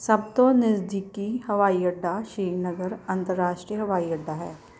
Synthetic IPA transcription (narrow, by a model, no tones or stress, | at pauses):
sɐb̚t̪onɪzd̪ɪkihɐʋaːiɐɖːaʃiːnəɡəɾɐ̃nt̪əɾːaːʃʈɾijəɦɐʋaːiɐɖːaɦɛː